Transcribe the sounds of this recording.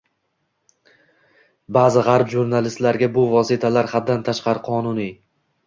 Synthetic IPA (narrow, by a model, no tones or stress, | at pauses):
baːzɪʁɑɾpʒuɾnalɪst̪laɾɡʲabʊvɒsɪt̪ʰalaɾhad̪ːant̪ʰaʃqɑɾɪqʰɒnʊni